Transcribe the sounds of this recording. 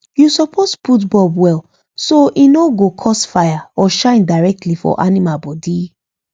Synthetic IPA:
jusɔpʰosputbɔlwɛl | soʔinoɡokʰɔsfajaɔʃãɪ̃ndaɪɹɛk̚tʰlifɔ̰ʔanimabɔdi

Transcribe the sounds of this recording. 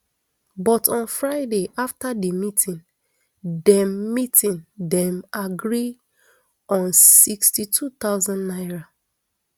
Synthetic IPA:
bɔtɔ̃nfɹaɪdeʔaftadimitʰĩn | dɛ̃mmitĩndɛ̃maɡɹi | ɔ̃nsikstitʰut̪aʊzãnːaɪɹa

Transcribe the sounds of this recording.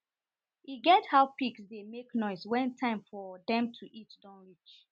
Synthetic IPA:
iɡɛthaʊpiksdemeknɔɪswɛ̃ntʰãɪ̃mfɔdɛ̃mtʰuʔitdɔ̃nɹit͡ʃ

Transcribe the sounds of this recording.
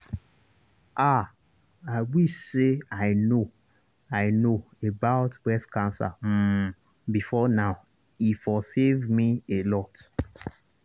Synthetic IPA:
ʔa | aɪwiseaɪno | aɪno | ebaʊtbɛskãnsa̰m̩ | bifɔnaʊ | ifɔsevmielɔt

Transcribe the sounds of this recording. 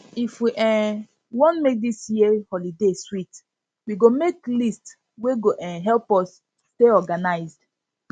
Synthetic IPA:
ifwiʔɛ̃ | wɔ̃nmek̚disjiehɔlideswit | wiɡomeklist | weɡoʔɛ̃ɦɛlpɔs | teɔɡanaɪzd̥

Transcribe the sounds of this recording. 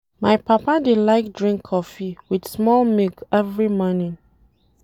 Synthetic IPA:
majpapadedlaɪk̚dɹĩŋkʰːɔfiwid̥smɔlmikɛvɹimɔ̃ni

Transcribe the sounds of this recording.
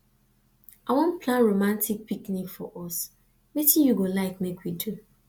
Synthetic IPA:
awɔ̃npʰlãnɹomãntʰik̚piknikfɔʔɔs | metĩjuɡolaɪkmekwidu

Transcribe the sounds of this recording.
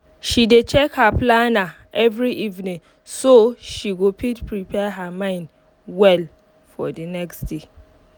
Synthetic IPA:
ʃidet͡ʃʰɛkhapʰlana | ʔɛvɹiʔivnĩŋ | soʃiɡopʰitpʰɹipʰɛɦamãɪ̃nd | wɛl | fɔ̰dənɛksd̥e

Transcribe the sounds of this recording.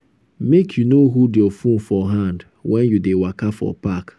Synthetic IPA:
mekʰjunoɦudeɔfũfɔɦãnd | wʔɛ̃njudewakafɔ̰pak

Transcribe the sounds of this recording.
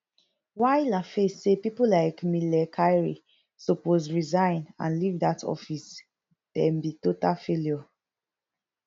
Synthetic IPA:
waɪlafesepipolaɪkmilɛkʰajɹḭ | sopozɹizãɪ̃nã̰nlivdatʰɔ̰fis | tɛmbitotafeljɔ

